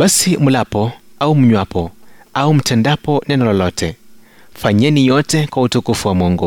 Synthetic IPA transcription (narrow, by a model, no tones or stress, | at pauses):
basimulapɔaumuɲwapɔaum̩tʰɛndapɔnɛnɔlɔlɔtʰɛ | faɲɛnijɔtɛkwautukufuwamɔːŋɡɔ